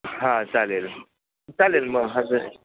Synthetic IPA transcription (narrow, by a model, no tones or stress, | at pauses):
ɦãt͡salel | t͡salelməɦaze